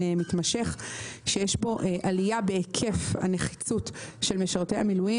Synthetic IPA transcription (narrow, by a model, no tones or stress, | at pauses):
mitmaʃe̞χʃejeʃbo̞ʔeʔalijabeekʰe̞fha̰neχi̥t͡sutʃe̞lmeʃaʁt̪ejhamiluji